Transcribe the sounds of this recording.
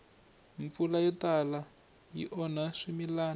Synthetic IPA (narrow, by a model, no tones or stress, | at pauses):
ɱp̪fulajɔtala | jḭʔɔnaʂimilaːn